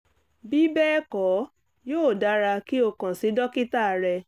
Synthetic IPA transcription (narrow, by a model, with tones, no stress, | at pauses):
bi˦bɛ˦kɔ˨˦ | joː˦˨da˦ɾa˧ki˦o˧kã˨si˨˦dɔ˦ki˦ta˦˨ɾɛ˧